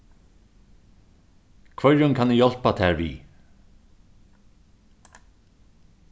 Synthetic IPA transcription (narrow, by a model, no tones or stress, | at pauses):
kʰvœɾʊnkʰanɪjɔl̥pat̪ʰɛːɹvḭ